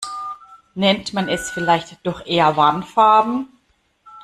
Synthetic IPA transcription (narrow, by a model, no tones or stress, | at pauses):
nɛntmanɛsfɪlaɪçtd̥ɔχʔeːɐvanfaɐbm̩